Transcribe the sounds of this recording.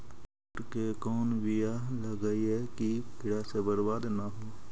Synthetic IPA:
ʊʈkekɔːnwɪjaləɡəiɦɛkikɪɽasebəɾbaːd̪naɦoː

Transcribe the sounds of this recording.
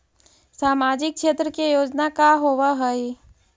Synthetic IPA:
saːmaːd͡ʒɪk̚kʃeːt̪ɾəkejoːd͡ʒnakaɦoʋaɦəi

